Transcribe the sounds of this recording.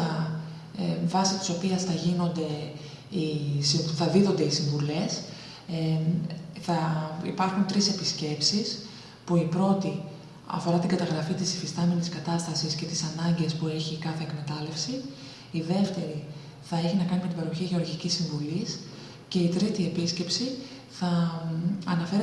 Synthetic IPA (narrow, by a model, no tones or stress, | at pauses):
ɐ | vɐsit̪i̥so̞piɐsθɐʝino̞nd̪e̞ | isiθɐðiðo̞nd̪eisiɱvule̞s | θɐḭpɐɾxunt̪ɾise̞pisce̞psis | puipɾo̞t̪i | ɐ̰fo̞ɾɐt̪iŋɡɐt̪ɐɣɾɐfit̪isifist̪ɐme̞niskɐt̪ɐst̪ɐsisce̞t̪isɐnɐɲɟe̞spueçikɐθe̞ːkme̞t̪ɐle̞fsiː | ðe̞ft̪e̞ɾi | θɐe̞çinɐkɐnimet̪ibɐɾoçiʝeo̞ɾʝicisːiɱvulis | ce̞it̪ɾit̪ie̞pisce̞psi | θɐ | ɐnɐfe̞ɾ